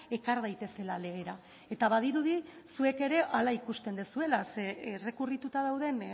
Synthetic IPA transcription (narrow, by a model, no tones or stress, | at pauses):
e̞kaɾð̞ajt̪e̞se̞lale̞ɣ̞e̞ɾa | e̞t̪aβað̞iɾuð̞isue̞ke̞ɾe̞ʔalaikust̪e̞nd̪esue̞lasere̞kurit̪ut̪aðawð̞e̞n